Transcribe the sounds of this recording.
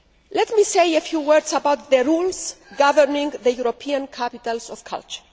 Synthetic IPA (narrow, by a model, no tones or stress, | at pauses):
lɛt̪misejefjuwɜɾd̪sabawt̪ðəɾulsɡavənĩŋðəjuɾopʰiãnkʰapit̪alsɔfkʰa̰lt͡ʃə̥ɹ